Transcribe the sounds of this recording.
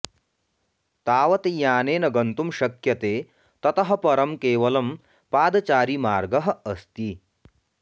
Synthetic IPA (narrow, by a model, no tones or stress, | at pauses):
t̪aːʋɐt̪ejaːneːnɐɡɐnt̪umʃɐkjɐt̪eː | t̪ɐt̪ɐɦɐ̆pɐɾɐmkeːʋɐlɐm | paːd̪ɐt͡ʃaːɾimaːɾɡɐɦɐ̆ɐst̪i